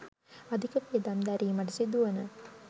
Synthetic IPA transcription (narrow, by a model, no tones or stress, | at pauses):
ad̪ʱikəpiəd̪amd̪æɾiːməʈ̬əsid̪uʋənə